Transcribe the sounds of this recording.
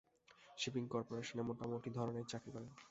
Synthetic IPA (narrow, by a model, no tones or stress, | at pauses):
ʃipiŋkɔɾpoɾeʃonemoʈamoʈid̪ʱɔɾoneɾt͡ɕakɾikɔɾen